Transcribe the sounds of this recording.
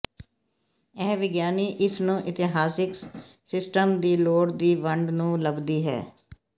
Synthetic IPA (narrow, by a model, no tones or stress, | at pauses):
ɛːʋɪɡjaːniːʔɪsnũːʔɪt̪ɪɦaːsɪksɪsʈəmd̪iːloːɽd̪iːʋəɳɖnũːləbd̪iːɦɛ̰ː